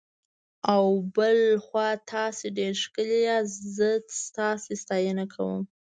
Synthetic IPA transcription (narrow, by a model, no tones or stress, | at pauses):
awbəlxwɑt̪ʰɑseɖeɾʃkəlijaszəst̪ɑsest̪ɑjənakʰawə̰m